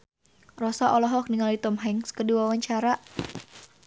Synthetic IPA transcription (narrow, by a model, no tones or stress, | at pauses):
rɔsaʔɔlɔɦɔk̚niŋalit̪ɔmɦɛŋskəduwawaɲt͡ʃaɾaʔ